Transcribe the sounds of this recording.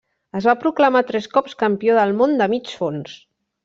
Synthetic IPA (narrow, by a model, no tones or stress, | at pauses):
əzβapɾukləmat̪ɾɛskɔpskəmpioðəlˠmond̪əmit͡ʃfons